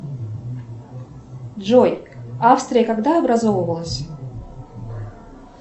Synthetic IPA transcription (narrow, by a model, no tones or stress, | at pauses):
dʐojafst̪ɾʲɪjəkaɡd̪aɐbɾɐzovəvəlˠəsʲ